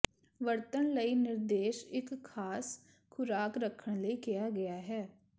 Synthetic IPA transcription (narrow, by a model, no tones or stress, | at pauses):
ʋəɾt̪ənləiːnɪɾd̪eːʃɪkʰːaːs | kʰʊɾaːkɾəkʰəɳ̃ləiːkɪjaːɡɪjaːɦɛː